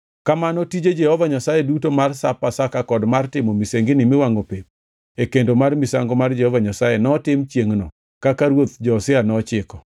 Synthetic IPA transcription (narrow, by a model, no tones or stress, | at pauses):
kamanɔtid͡ʒed͡ʒɛhɔvaɲasajedutomarsapasakakɔdmartɪmomiseŋɡɪnɪmɪwaŋopep̚ | ekendomarmisaŋɡomard͡ʒɛhɔvaɲasajɛnɔtɪmt͡ʃjeŋnɔ | kakaɾwot̪̚d͡ʒɔsɪanɔt͡ʃɪkɔ